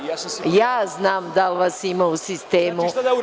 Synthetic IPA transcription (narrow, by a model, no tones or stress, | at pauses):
jaːznaːmd̪alʋasimausist̪eːmu